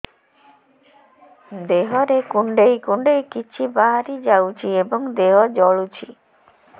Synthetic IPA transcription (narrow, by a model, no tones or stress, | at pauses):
d̪eɦɔɾekuɳɖejkuɳɖejkit͡ʃʰibaɦaɾid͡ʒawt͡ʃʰiebɔŋd̪eɦɔd͡ʒɔɭut͡ʃʰi